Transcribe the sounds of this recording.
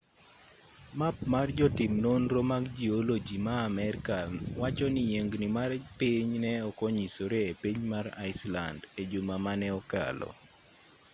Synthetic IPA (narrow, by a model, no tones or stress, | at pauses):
map̚mard͡ʒɔtɪmnonɾomaɡd͡ʒiolod͡ʒimaːmɛrkawat͡ʃɔnɪjeŋɡnɪmarpiɲnɛɔkɔɲisoɾeepiɲmaɾa̰ɪsla̰nded͡ʒomamanɛɔka̰lɔ̰